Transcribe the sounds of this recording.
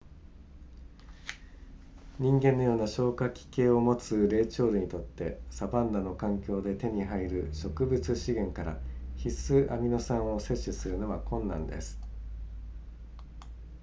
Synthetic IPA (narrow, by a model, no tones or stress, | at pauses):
ɲ̟ĩŋɡẽ̞nːo̞joːnaɕo̞ːkakʲi̥ke̞ːo̞mo̞t͡sɨɾe̞ːt͡ɕo̞ːɾɯ̟ɲ̟it̪o̞t̪ːe̞sabãnd̪ano̞kãŋkʲo̞ːd̪e̞t̪e̞ɲ̟iɦaiɾɯ̟ɕo̞kɯ̟bɯ̟t͡sɨɕiɡẽ̞ŋkaɾa̰çisɨʔamʲino̞sãɰ̃o̞se̞ɕːisɨɾɯ̟no̞βakʰõ̞nːãnd̪e̞̰sɨ̥